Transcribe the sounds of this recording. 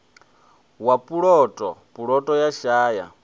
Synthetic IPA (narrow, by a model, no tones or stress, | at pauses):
wapʼuɺɔtʼɔpʼuɺɔtʼɔjaʃaːja̰